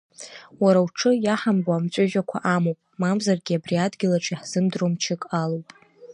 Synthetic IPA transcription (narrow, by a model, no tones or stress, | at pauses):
waɾawʈ͡ʂʰɨjaħamboamt͡ɕʷʼɪʒᶣakʷʰaʔamowpʼmamzarɡʲiabriadɡʲɪlaʈ͡ʂʷʰʼiħz̥ɨmdromt͡ʃʰɪkʼalowpʼ